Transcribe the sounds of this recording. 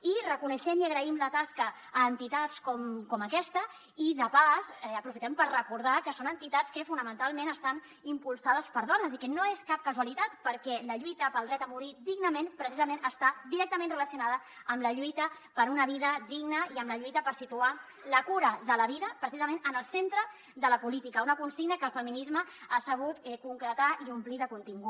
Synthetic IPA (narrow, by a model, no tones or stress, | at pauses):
irəkunəʃɛmiəɣɾəimlət̪askəː | nt̪it̪at͡skɔmkɔməkɛst̪ə | iðəpazɛəpɾufit̪ɛmpəɾrəkuɾð̞akəsonənt̪it̪at͡skəfunəmə̃nt̪alˠmenəst̪an | impulˠsað̞əspəɾðɔnəzikɛnoeskap̚kəzuəlit̪at̪pəɾkɛləʎujt̪əpəlˠd̪ɾɛt̪əmuɾid̪iɡnəmenpɾəsizəmẽnəst̪ad̪iɾɛk̚t̪əmẽnrələsiunaðə | əmləʎujt̪ə | pəɾunəβ̞iðəd̪iɡnəiəmləʎujt̪əpəɾsit̪ua | ləkuɾəðələβiðəpɾəsizəmẽnənəlˠsent̪ɾə | ðələpulit̪ikəunəkunsiɡnəkəlˠfəminizməasəβ̞ut̪ɛkuŋkɾət̪aiumpliðəkunt̪iŋɡu